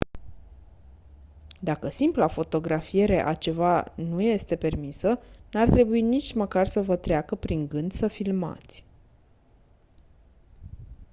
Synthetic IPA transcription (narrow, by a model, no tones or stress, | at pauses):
d̪akəsimplafo̞t̪o̞ɡɾafije̞ɾe̞ʔa̰t͡ʃe̞vanuje̞st̪e̞pe̞rmisənart̪ɾe̞buinit͡ʃʲməkarsəvət̪ɾeakəpɾiŋɡɨnd̪səfilma̰t̪sʲ